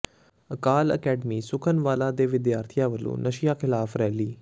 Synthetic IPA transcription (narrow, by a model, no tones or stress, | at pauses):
əkaːlə̰kɛːɖəmiːsʊkʰənʋaːlaːd̪eːʋɪd̪jaːɾt̪ʰijaːʋəlːṵ̃ːnəʃɪjaːkʰɪlaːfɾɛːliː